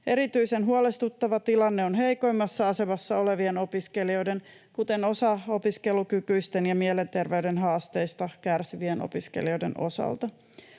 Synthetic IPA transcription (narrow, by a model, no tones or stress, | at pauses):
eɾit̪yisenɦuolest̪ut̪ːɑʋɑt̪ilɑnːeonɦejko̞imːɑsːɑɑse̞mɑsːɑo̞le̞ʋieno̞piskelio̞jde̞n | kut̪eno̞sɑopiske̞lukykyist̪enjɑmielent̪e̞rʋeydenɦɑːst̪eist̪ɑkærsiʋieno̰piskḛlio̞ide̞̰no̞̰sɑ̰lt̪ɑ